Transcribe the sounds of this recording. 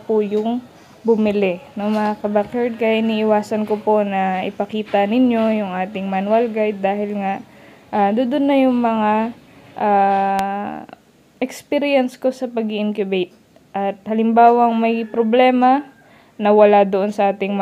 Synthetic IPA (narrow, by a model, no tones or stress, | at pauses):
pʊjʊŋ | bʊmɪlɪnoŋmɐŋakɐbakɐɹd̪̚kɐʔɪniːʔɪwaːsɐnkoponɐʔɪ̰pɐkiːt̪ɐnɪɲjo̞jʊŋʔaːt̪ɪŋmɐnwalɡajd̪̚ːaːhɪlŋaʔ | ʔad̪ʊd̪ʊnːɐjʊŋmɐŋaʔaː | ʔɛkspiɾɪjɛnsko̞sɐpɐɡɪʔɪnkjʊbɛjt̪̚ | ʔɐt̪̚hɐlɪmbaːwɐŋmɐjpɾoblɛːmɐ | nɐwɐlad̪oʔonsɐʔaːt̪ɪŋm